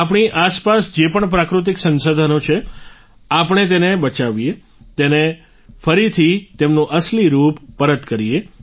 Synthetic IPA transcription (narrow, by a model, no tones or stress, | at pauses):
ap̬ɳ̃iʔaspasd͡ʒepəɳpɾakɾut̪̬ɪksənsod̪ʱənot͡ʃʰe | apəɳ̃et̪̬enebət͡ʃaʋie | t̪ene | fəɾit̪ʰit̪emnũʔəsliɾupːəɾət̪kəɾie